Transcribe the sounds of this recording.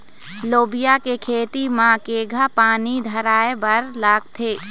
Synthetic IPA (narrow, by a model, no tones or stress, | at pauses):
loːbijakekʰeːt̪imãkeːɡʱapaːnid̪ʱəɾaːebəɾlaːɡ̚t̪ʰeː